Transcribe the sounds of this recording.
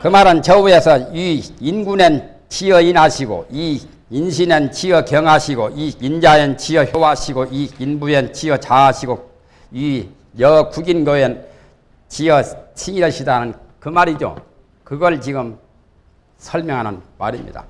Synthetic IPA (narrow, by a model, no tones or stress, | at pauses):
kɯmaɾɯnt͡ɕʌuesʰʌiinɡunen | t͡ɕʰiʌinaɕʰiɡo̰i | inɕʰinent͡ɕʰiʌkjʌŋɦaɕʰiɡoiind͡ʑaent͡ɕʰiʌçjowaɕʰiɡoiinbuent͡ɕʰiʌt͡ɕaaɕʰiɡo | ji | jʌkuɡinɡʌjen | t͡ɕiʌt͡ɕʰiiɾʌɕʰidanɯn | kɯmaɾid͡ʑo̰ | kɯɡʌɭt͡ɕiɡɯm | sʰʌɭmjʌŋɦanɯnmaɾimɲḭda̰